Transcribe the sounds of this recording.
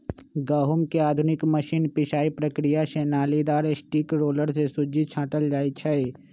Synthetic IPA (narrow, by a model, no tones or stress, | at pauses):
ɡəɦʊmkeaːd̪ʱʊnɪkməʃiːnpɪʃaːipɾəkɾijaʃɛːnaːlid̪aːɾesʈiːkɾoːləɾsesʊd͡ʒit͡ʃʰãːʈəld͡ʒaːit͡ʃʰɐe